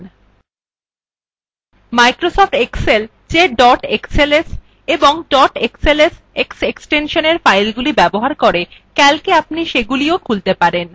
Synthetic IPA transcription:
majkɾosɔfʈeksel | t͡ɕeɖɔʈekseles | eboŋɖɔʈekseles | ekseksʈenʃoneɾfajlɡulibɛboɦaɾkoɾekɛlkeapniʃeɡuliokʰult̪epaɾen

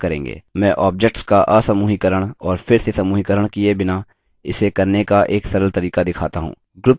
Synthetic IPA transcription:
kɐɾḛ̃ːŋɡḛːmɛ̃ːʔɔːp̚d͡ʒek̚ʈskaʔasɐmuːɦikəɾəɽ̃ɔːɾfʰɪɾsesɐmuːɦikəɾəɽ̃kiebɪna | ɪsekɐɾnekaʔeːksɐɾəlt̪ɐɾiːkad̪ɪkʰaːt̪aɦṵ̃ː | ɡɾʊp

